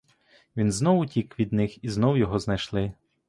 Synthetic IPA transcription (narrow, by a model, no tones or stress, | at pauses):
ʋʲinznɔwʊtʲikʋʲid̪nɪxiznɔwjɔɦɔznɐjʃlˠɪ